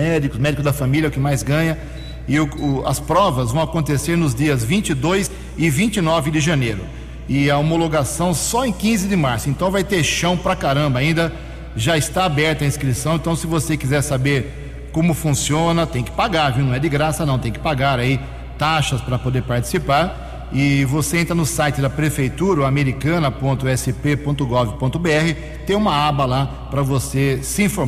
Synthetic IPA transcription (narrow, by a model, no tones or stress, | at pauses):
ɛd̪ikʊsmɛd͡ʒikʊzd̪ɐfamiljɐʊkɪmajzɡɐ̃ɲɐ | ɪʊʊɐ̰spɾɔvɐzvɐ̃w̃akõnt̪eseɾnʊzd͡ʒiɐzvĩnt͡ʃɪd̪ojz | ɪvĩnt͡ʃɪnɔvɪd̪ɪʒɐ̃nejɾʊ̰ | ɪɐomoloɡasɐ̃w̃sɔẽj̃kĩzɪd̪ɪmaɾsʊẽnt̪ɐ̃w̃vajt̪eɾʃɐ̃w̃pɾɐkaɾɐ̃mbɐaĩnd̪ɐ | ʒaɪst̪aabɛɾt̪ɐĩskɾisɐ̃w̃ẽt̪ɐ̃w̃sɪvosekizɛɾsabeɾ | kõmʊfũsiõnɐt̪ẽj̃kɪ̥paɡaɾviwnɐ̃w̃ɛd͡ʒɪɡɾasɐnɐ̃w̃t̪ẽj̃kɪ̥paɡaɾai | t̪aʃɐspɾɐpod̪eɾpaɾt͡ʃɪ̥sipaɾ | ɪvoseẽnt̪ɾɐnʊsajt͡ʃɪd̪ɐpɾefejt̪uɾɐʊameɾikɐ̃nɐpõnt̪ʊɛsɪpepõnt̪ʊɡɔɡɪpõt̪ʊbeɛhɪ | t̪ẽj̃ũmɐabɐla | pɾɐvosesɪĩfoɾ